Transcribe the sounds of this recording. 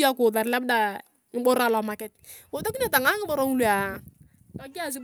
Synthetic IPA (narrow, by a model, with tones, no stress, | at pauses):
a˦kʊ˨ða˨ɾlɛ˦b̚da˨ | ŋɪ˨bo˦ɾa˦˨lɔ˨ma˨kɪ˦t̚ko˨ta˦ki˦ne˨ta˨ŋa˦ŋɪ˦bo˦ɾo˦ŋu˦lu˦a˨ | tɔ˦kɪ˦a˦˨s̬ɪ˦